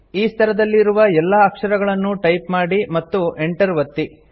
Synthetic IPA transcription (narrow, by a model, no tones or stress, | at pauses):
iːst̪ʰɐɾɐd̪ɐlːiɾuʋɐɛlːɐːkʂɐɾɐɡɐɭɐnːuʈɐjpmaːɽimɐt̪ːuʔeɳʈɐɾʋɐt̪ːi